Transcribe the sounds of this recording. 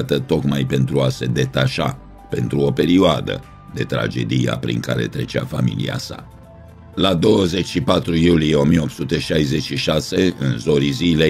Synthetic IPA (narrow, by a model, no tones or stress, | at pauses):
t̪ət̪o̞kmajpe̞nt̪ɾuase̞d̪e̞t̪aʃa̰ | pe̞̰nt̪ɾuo̞pe̞ɾioad̪ə̰ | d̪e̞t̪ɾa̰d͡ʒe̞̰d̪ija̰pɾḭŋka̰ɾe̞̰t̪ɾe̞t͡ʃea̰famḭlḭa̰sa̰ | lad̪o̞wəze̞t͡ʃʲʃipat̪ɾujulijeo̞mijeo̞p̪sut̪e̞ʃajze̞t͡ʃʃiʃase̞ɨnzo̞ɾizile̞